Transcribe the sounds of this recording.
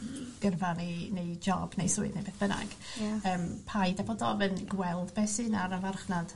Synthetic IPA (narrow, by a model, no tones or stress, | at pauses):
ɡ̥ərvanenejd͡ʒɔbnejsʊːɨdnejbeːθb̥əna̰ɡ̥əːmpʰajdabɔdɔvənɡwɛlˠdbɛsɨnaɾavarχnad̥